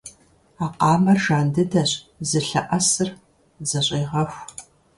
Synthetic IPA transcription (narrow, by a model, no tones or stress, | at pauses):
aːqɑːmɐrʒaːndɨdɐɕʼzɨɬɐʔɐsɨr | zɐɕʼeːʁɐxʷ